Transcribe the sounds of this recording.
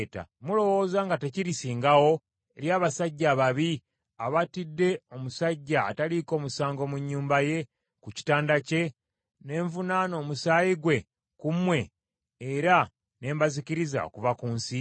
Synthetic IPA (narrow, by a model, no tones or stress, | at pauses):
ta̰mulo̞wo̞ːzaːŋɡate̞ciɾisiːŋɡawo̞ | eɾjaːβasaɟːaːβaβi | aβatidːe̞o̞musaɟːaːtaliko̞ːmusaːŋɡo̞muɲːuːmbaje̞ | kuci̥taːndace̞ | ne̞ːɱvunaːno̞ːmusaːjiɡwe̞ | kumwe̞ː | ɾa | ne̞ːmbaziciɾiza̰o̰kuvakuːnsi